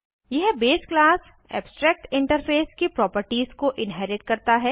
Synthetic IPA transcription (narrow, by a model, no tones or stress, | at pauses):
jɐɦbeːsklaːs | ɛ̰ːbsʈɾɛːk̚ʈɪ̃ɳʈəɾfeːskepɾɔːpəɾʈiːzkoʔɪnɦɛːɾɪʈkɐɾt̪aɦɛː